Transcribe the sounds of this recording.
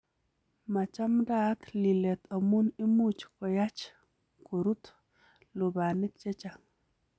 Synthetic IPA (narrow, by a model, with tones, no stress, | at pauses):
ma˨t͡ʃa˦mdat̪li˨lɛ˨t̪ʰa˨mu˦ni˦mut͡ʃkɔ˨ja˦t͡ʃ | ko˨ɾu˦t̪ | lʊ˨banɪ˦k̚t͡ʃɛ˦t͡ʃa˨ŋ